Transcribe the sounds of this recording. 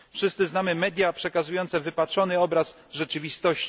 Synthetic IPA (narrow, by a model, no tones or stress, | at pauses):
fʂɘst̪sɘznamɘmɛd̪ʲjapʂɛkazujɔnt̪sɛvɘpatʂɔnɘɔbɾas | ʐɛt͡ʂɘvʲist̪ɔɕt͡ɕ